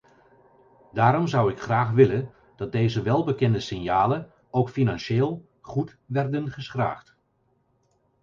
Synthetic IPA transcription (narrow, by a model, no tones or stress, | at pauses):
daːɾɔmzʌwɪkχraːχʋɪlən | d̥ɑd̚dejzəʋɛlˠbəkɛndəsɪnjaːlən | owkfinɑnʃeːlˠ | χut | ʋɛrdənχəsχra̰ːχt